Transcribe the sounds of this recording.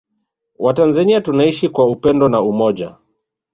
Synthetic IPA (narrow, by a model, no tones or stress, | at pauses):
watanzaniatunaiʃikwaupɛndɔnaumɔʄa̰